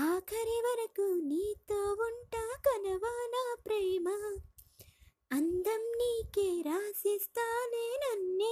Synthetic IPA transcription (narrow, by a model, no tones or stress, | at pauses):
aːkʰɐɾeʋɐɾɐkuniːt̪oʋuɳʈaːkɐnɐʋaːnaːpɾeːmɐ | ɐnd̪ɐmniːkeɾaːsist̪aːneːnɐnːe